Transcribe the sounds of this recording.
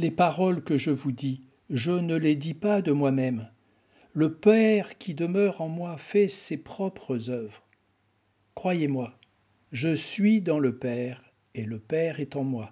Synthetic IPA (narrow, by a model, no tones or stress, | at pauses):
lepaʁɔlkəʒəvud̪i | ʒənəled̪ipad̪əmwamɛm | ləpɛʁkʲʰid̪əmœʁɑ̃mwafɛsepχɔpχəzœvʁ | kχwajemwa | ʒəsɥid̪ɑ̃ləpɛʁ | eləpɛʁɛt̪ɑ̃mwa